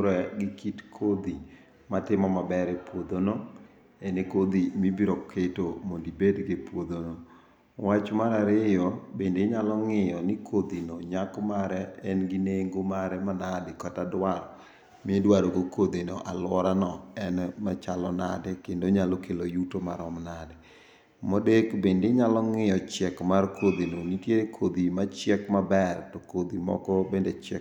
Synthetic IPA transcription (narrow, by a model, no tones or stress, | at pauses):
ɾɛɡɪkitkʰod̪i | matɪmɔmabɛɾepwod̪ono | enekod̪imibiɾokʰetomondibedɡepwod̪ono | wat͡ʃmaɾaɾɪjɔbendeɲalɔŋɪjɔnɪkʰod̪inoɲakmaɾɛɛnɡɪneŋɡomaɾɛmanadɪkatadwaɾɔ | mɪedwaɾoɡokod̪ino̰ʔalwɔɾanɔɛnmat͡ʃalɔna̰dɛkendoɲalokelojutomaɾɔmnadɛ | modekbendeɲalɔŋɪjɔt͡ʃɛkmarkod̪inonitjeɾekʰod̪imat͡ʃjɛkmabɛrtokod̪imɔ̰kɔbendet͡ʃɛk